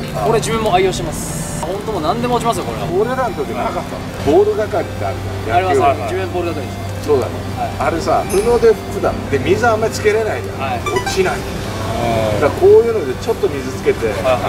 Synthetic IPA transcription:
koɾed͡ʑɨmemːoaijo̞ːɕemasɨ̥ | hõ̞nt̪omonãnd̪e̞moːt͡ɕimasɨjokoɾeaoɾeɾanot̪o̞kʲiɲinakat̪ːa̰ | bo̞ːɾoɡ̪akaɾʲit̪ːea̰ɾɯ̟t̪ajaaɾimaaad͡ʑiemboːɾɯd̪at̪okʲies | so̞ːd̪a̰neaiaɾe̞saɸɯ̟no̞d̪e̞ɸkɯd̪ãd̪emʲizɨaãmːaɾʲit͡sɨ̥ke̞ɾe̞naida̰aiokinai | d̪akʰo̞ːjɯ̟ːno̞d̪e̞t͡ɕo̞t̪ːo̞mʲizɨt͡sɨ̥ke̞t̪e̞

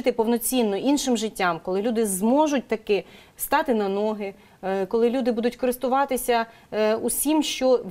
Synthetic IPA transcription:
t̪ɪpɔwnɔt͡sʲinːɔʔinʃɪmʒɪtʲːamkɔlˠɪlʲud̪ɪzmɔʒʊt̚ʲt̪ɐkɪ | st̪ɑt̪ɪnɐnɔɦɪ | kɔlˠɪlʲud̪ɪbud̪ʊtʲkɔɾɪst̪ʊʋɑt̪ɪsʲɐ | usʲimʃt͡ʃɔʋ

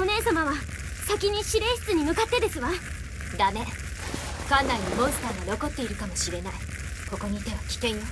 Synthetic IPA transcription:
o̞ne̞ːs̬amaβa | sakʲiɲ̟iɕiɾe̞ːɕi̥t͡sɨɲ̟imɯ̟kat̪ːe̞d̪e̞sɨβa | d̪ame̞ | kãnːaɲʲimõ̞ɰ̃sɨ̥t̪aːnino̞ko̞t̪ːe̞iɾɯ̟kamo̞ɕiɾe̞naiko̞ko̞ɲ̟iːt̪e̞βakʲi̥kẽ̞ɰ̃

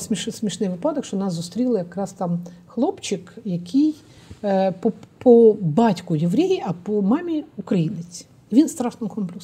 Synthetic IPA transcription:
smʲiʃsmʲiʃnɪjʋɪpɑd̪ɔkʃt͡ʃɔnɑszʊst̪ɾʲilˠɪjɐkɾɑst̪ɑmxlˠɔpt͡ʃɪkjɐkʰɪj | pɔpʰɔbɑtʲkʊjɪʋɾʲejiɐpɔmɑmʲiukɾɐjinɪt͡sʲi̥ | iʋʲinst̪ɾɑʃnɔkʰɔmplʲɪs

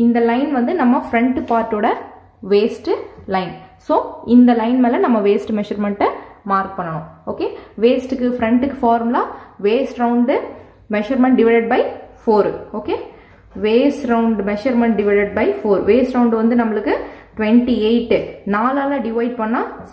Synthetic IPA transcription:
ɪnd̪ɐlɐɪnʋɐnd̪ɯnɐmːɐfɾɛɳʈpaːɾʈːoːɽɐ | ʋeːsʈɯlɐɪnsoːɪnd̪ɐlɐɪnmeːlɐnɐmːɐʋeːsʈmɛʃɐɾmɛɳʈːɐmaːɾk̚pɐɳːɐɳɐ̃oːkeʋeːsʈɯkːɯfɾɛɳʈɯkːɯfaːɾmlãːʋeːsʈɾɐʊɳɖɯ | mɛʃɐɾmɛ̃ɳʈ̚ɖɪʋɐlɐɖ̚bɐɪfoːɾoːkeː | ʋeːsʈɾɐʊɳɖmɛʃɐɾmɛɳʈ̚ɖɪʋɐɪlɐɖ̚bɐɪfoːɾʋeːsʈɾɐʊ̃ɳɖʋɐnd̪ɯnɐmːɐɭɯkːɯʈʊʋɛɳʈieɪʈːɯnaːlaːlɐːɖɪʋɐɪɖ̚pɐɳːãː

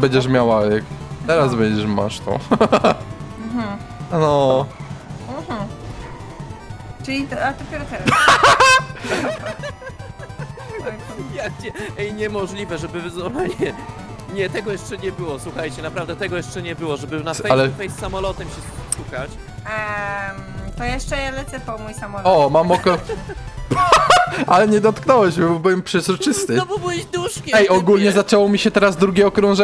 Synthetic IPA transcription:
bɛɲd͡ʑɛʂmʲjawaɛkt̪ɛɾazbɛɲd͡ʑɛʂma̰ʂt̪ɔ̰ | m̩ɦ̩nɔ | h̩ | t͡ʂɨlʲit̪ad̪ɔpʲɛɾɔt̪ɛɾ | jak̚t͡ɕɛɛjɲɛmɔʐlʲivɛʐɛbɘvɨzɔvaɲɛ | ɲɛt̪ɛɡɔjɛʂt͡ʂɛɲɛbɘwɔswuxajt͡ɕɛnapɾavd̪ɛt̪ɛɡɔjɛʂt͡ʂɛɲɛbɘwɔʐɛbɘnaɛalɛfɛjsːamɔlɔt̪ɛmɕɛsskukat͡ɕ | t̪ɔjɛʂt͡ʂɛjɛlɛt̪sɛpɔmujsamɔlɔmammɔk̪ | alɛɲɛd̪ɔt̪knɔwɛɕmʲibɔbɨwɛmpʂɛzɾɔt͡ʂɘst̪ɨɔbubzd̪uʂkʲɛɛjɔɡulɲɛzat͡ʂɛwɔmʲiɕɛt̪ɛɾazd̪ɾuɡʲɛɔkɾɔ̃w̃ʐɛ

